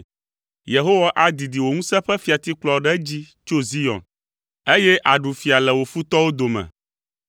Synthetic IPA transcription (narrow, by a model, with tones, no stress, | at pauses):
je˨ɦo˦wa˦ʔa˨d̪i˨d̪i˨wo˨ŋũ˦sɛ˦ɸɛ˦fi˨a˨t̪i˦k͡plɔ˦ɖɛ˦d͡ʑi˦ | t͡ʃo˦zi˦jɔ̰̃˨n | e˦jɛ˦ʔa˨ɖu˨fi˨a˨lɛ˨wo˨fu˦t̪ɔ˦wo˦d̪o˨mɛ̰̃˨